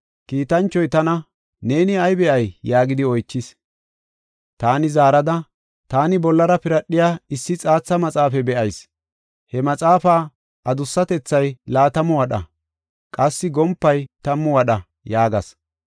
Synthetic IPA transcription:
kiːt̪ɐnt͡ʃːɔjt̪ɐnɐ | neːnɪɐjbɛʔɐjjaːɡɪd̪ɪɔjt͡ʃːɪs | t̪aːnɪzaːɾɐd̪ɐ | t̪aːnɪbɔlːɐɾɐpɪɾɐɗːɪjaːɪsːɪt͡sʼaːt͡sːɐmɐt͡sʼaːfɛbɛʔɐjs | hɛmɐt͡sʼaːfaː | ʔɐd̪ʊsːɐt̪ɛt͡sːɐjlaːt̪ɐmʊwɐɗɐ̰ | kʼɐsːɪɡɔmpːɐjt̪ɐmːʊwɐɗɐ | jaːɡɐs

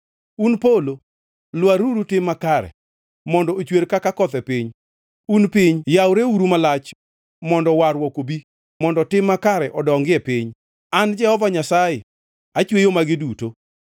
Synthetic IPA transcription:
unpolo | lwaɾuɾutɪmːakaɾɛ̰ | mɔndɔot͡ʃweɾkakakɔt̪ɛpɪɲ | unpɪɲjawɾeuɾumalat͡ʃ | mɔndɔwaɾwɔkobi | mɔndɔtɪmːakaɾɛʔɔdɔŋɡɪɛpɪɲ | and͡ʒɛhɔvaɲasajɪ | at͡ʃwejomaɡɪduto

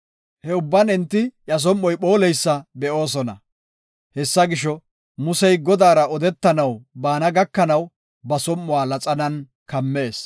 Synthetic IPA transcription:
hɛʊbːɐnɪnt̪ːɪjɐs̬ɔmːɔjɓo̞ːlɛjsːɐbɛʔo̞ːs̬ɔnɐ̰ | hɛsːɐɡɪʃɔ | mʊsɛjɡɔd̪aːɾɐɔd̪ɛt̪ːɐnɐwbaːnɐɡɐkːɐnɐw | bɐsɔmːʊwaːlɐt͡sʼɐnɐn | kɐmːe̞ːs

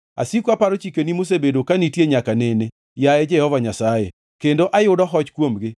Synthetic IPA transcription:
a̰sikoapaɾot͡ʃikenimos̬ebedokanitjeɲakanene | jajɛd͡ʒɛhɔvaɲasajḛ | kendoʔajʊdɔɦɔt͡ʃkwomɡɪ

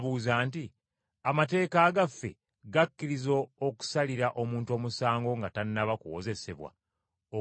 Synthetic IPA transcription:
βuzaːnti | amate̞ːkaːɡafːe̞̰ | ɡakːiɾizo̞ːku̥saliɾaʔo̞muːnto̞ːmusaːŋɡo̞ŋɡatanːaβakuwo̰ze̞se̞̰βwa̰ | o

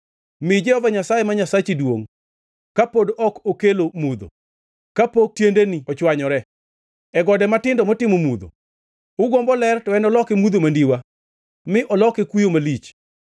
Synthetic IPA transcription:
mɪd͡ʒɛhɔvaɲasajemaɲasat͡ʃidwoŋ | kapodɔkokelomud̪o̰ | kapok̚tjendeniɔt͡ʃwaɲɔɾɛ | ɛɡɔdɛmatɪndɔmɔtɪmomud̪o̰ | ʊɡɔmbɔlɛrtɔɛnɔlɔkɛmud̪omandiwa | mɪʔɔlɔkɛkwijomalit͡ʃ

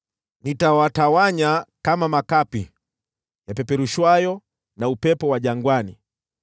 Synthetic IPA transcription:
nitawatawaɲakamamakapi | japɛpɛɾuʃwajɔ | naupɛpɔwaʄaŋɡwani

